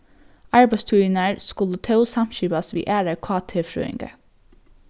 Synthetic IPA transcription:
ʔɑɹbest̪ʰʉɪnæːɹskʊlət̪ʰɑʊsɑmʃiːbɑsʋḭːʔæːɾəkʰɑːt̪ʰeːfɾʉ̰ːɪ̰ŋɡə̰

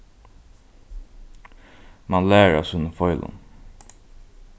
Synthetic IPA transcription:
mɑnlæːəɾɔ̰sʉnəfɔʏlʔə̰n

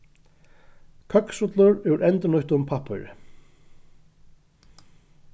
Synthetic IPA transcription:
kʰœksʊt̪lʊɹɛɾʔɛnt̪ənʊht̪ʊmpʰapɪ̰ɾ̰

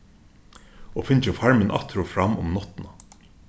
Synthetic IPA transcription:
ɔːfɪnt͡ʃəfɑɹmənʔɑ̰t̪ʰɾʊfɾɑmːʊ̰mnɔt̪na

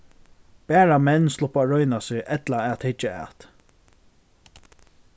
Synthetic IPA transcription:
bæːɹamɛnːslʊpaɹœʏnasɪʔɛt̪laɛat̪hɪt͡ʃːaa̰t̪

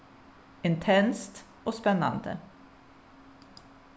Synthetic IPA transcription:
ɪnt̪ʰɛnst̪ | ʔoːspɛnɑ̰nd̪ə̰

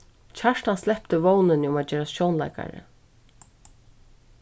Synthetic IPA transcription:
t͡ɕʰaʂtanslɛpt̪ɪʋɔwnɪnɪʊmaːd͡ʒɛːɾasjɔwnla̰jka̰ɾɪ̰

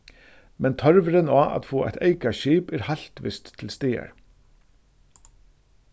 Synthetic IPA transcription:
mɛnt̪ʰœɾʋɾənɑːʔɑ̰t̪foːʔæ̰ɪt̪ʰeɪkɑʃiːpæːɾhɑɬt̪ʋɪ̰st̪ʰːɪl̩st̪eːə̰ɾ

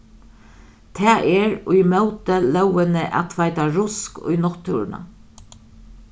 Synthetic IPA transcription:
t̪ʰɛːʔɛɾʊjmœwt̪əlœwənəʔa̰t̪ʰʋaɪt̪aɾʊskʊ̰jnɔt̪ʰːuɾna̰

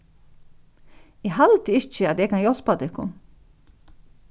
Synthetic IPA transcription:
jɛɦalt̪ɪɪt͡ʃːəat̪jɛkʰanjɔl̥pad̪ɪkːʊn

